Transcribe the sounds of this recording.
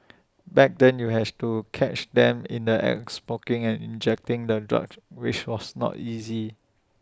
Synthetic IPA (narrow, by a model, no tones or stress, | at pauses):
bɛk̚dɛ̃njuɦɛdtukʰɛt͡ʃdɛ̃mɪ̰̃ndəʔɛ̰ksmokɪ̃ŋɛ̃nĩnd͡ʒɛk̚tɪ̃ŋdədɹa̰kwɪt͡ʃwɔsnɔ̰tizi